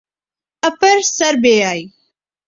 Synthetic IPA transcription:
ɐpəɾsɐɾbeːaːiː

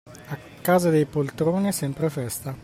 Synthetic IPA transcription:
a | kːaːzad̪ejpolt̪ɾoːnisɛmpɾefɛst̪a

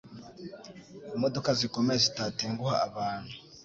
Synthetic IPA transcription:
imodo̞kazikomeɾezitatiːŋɡuhaaβaːn̥hu

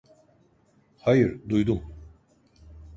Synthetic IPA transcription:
hajɯɾd̪ujd̪um

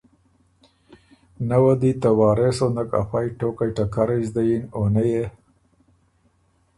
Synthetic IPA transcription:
nawad̪it̪awɑːɾesonaka̰fajʈokajʈakaɾazd̪ajinonaje

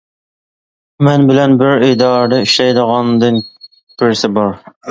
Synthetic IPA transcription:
mænbɪlænbɪɾejd̪ɑɾd̪ɛyʃɛjd̪əʁɑnd̪ɨŋ | b̥ɪɾsɪbɑɾ

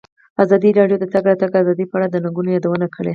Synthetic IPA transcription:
azɑd̪iɾɑɽjod̪ət̪aɡɾɑt̪aɡazɑd̪ipəaɽad̪ənaŋɡunojɑd̪awənakʰəɽe

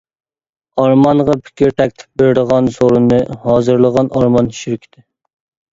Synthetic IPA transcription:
ɑɾmɑnʁɑpʰɪ̥kʲʰiɾt̪ʰɛkʲt̪ʰɪ̥p̚beɾɪd̪əʁɑnsoɾunːɨhɑːzɨɾlˠəʁɑnɑɾmɑnʃyɾkʲʰi̥d̪ɪ

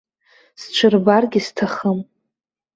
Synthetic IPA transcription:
st͡ʃʷʰɨrbarɡʲɪstʰaχəm

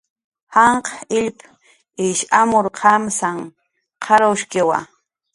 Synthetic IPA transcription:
hɑɴqɑ̥ɪʎp | ɪʃamʊɾqʰɑmsaŋ | qʰɑɾawʃkɪwa̰

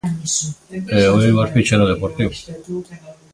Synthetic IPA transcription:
eojβaspit͡ʃeloðepoɾt̪iw

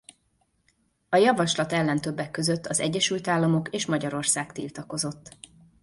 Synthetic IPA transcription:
ɒjɒvɒʃlɒt̪ɛlːɛnt̪ø̞bːɛkːø̞zøt̪ːɒzɛ̰ɟːɛʃylt̪aːlːɒmo̞keːʃmɒɟɒɾo̞rsaːkt̪ḭlt̪ɒko̞zo̞t̪ː

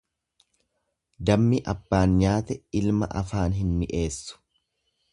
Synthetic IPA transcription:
d̪ɐmːɪʔɐbːaːnɲaːt̪ɛɪlmɐ̰ʔɐfaːnɦɪnːɪʔe̞ːsːʊ̥

